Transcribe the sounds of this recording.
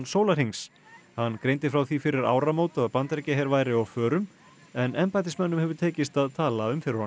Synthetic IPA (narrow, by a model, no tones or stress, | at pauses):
soːwlaɾ̥hiŋs | hanːkɾejnt̪ɪfɾawθifɪɾɪɾa̰ːwɾamoːwt̪ʏaðpant̪ɛcɪɦejɾvaːjɾɪɔɣfœːɾʏm | ɛnɛmpajt̪̬ɪsmɛnːʏmhɛvʏɾt̪ʰeːcɪst̪aðt̪ʰaːlaʏmfɪɾɪɾhan